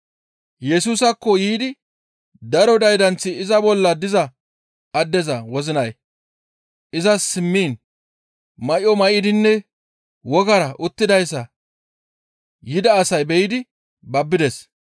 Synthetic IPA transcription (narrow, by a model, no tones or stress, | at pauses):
jɛsuːsɐkːɔjiːd̪ɪ | d̪ɐɾɔd̪ɐjd̪ɐnt͡sːɪːzɐbɔlːɐd̪ɪzɐ | ɐd̪ːɛzɐwɔzɪnɐj | ʔɪzɐsɪmːiːn | mɐʔɔmɐʔɪd̪ɪnːɛ | wɔɡɐɾɐʔʊt̪ːɪd̪ɐjs̬ːɐ | jɪd̪ɐːsɐjbɛjɪd̪ɪ | bɐbːɪd̪ɛs